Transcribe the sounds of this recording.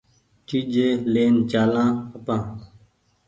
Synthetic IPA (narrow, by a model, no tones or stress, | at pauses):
t͡ʃiːd͡ʒeːleːnt͡ʃaːlãːəpãː